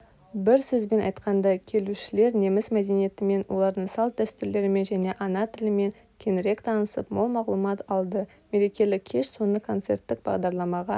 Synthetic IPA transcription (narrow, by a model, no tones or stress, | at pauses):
bɪɾsɵzbe̞nɑjt̪qɑnd̪ɑkʲʰe̞luʃɪle̞ɾne̞mɪzmæd̪e̞nije̞t̪ɪme̞nwo̞̰lˠɑɾd̪əɴsɑlˠt̪̚d̪æst̪ʏɾle̞ɾɪme̞nʒæne̞ʔɑnɑt̪ʰɪlɪme̞ŋ | kʲʰe̞nɾe̞kt̪ʰɑnəsəpmo̞lˠmɑʁlˠumɑt̪ɑlˠd̪ə | me̞ɾe̞kʲe̞lɪkkʲʰe̞ʃso̞nəkʰo̞nt̪se̞̰rt̪ːɪkb̥ɑ̰ʁd̪ɑɾlˠɑmɑʁɑ